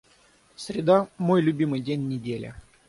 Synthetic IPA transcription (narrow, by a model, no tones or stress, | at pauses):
sʲɾʲɪd̪amojlʲʊbʲimɨjdʲenʲːɪdʲelʲɪ̰